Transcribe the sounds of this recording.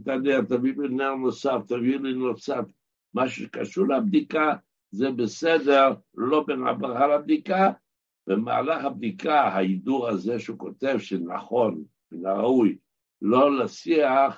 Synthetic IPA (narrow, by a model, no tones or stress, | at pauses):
t̪aneʁt̪avilineʁnosaft̪avilinot͡sat | maʃuʃe̥kaʃuʁleab̚d̪ika | zebesed̪eʁlo̞bena̰bʁaχalab̚d̪ika | vema̰ːlaχab̚d̪ikahaid̪uʁhazeʃeukot̪e̞vʃena̰χo̞n | benaʁauj | lo̞lasiaχ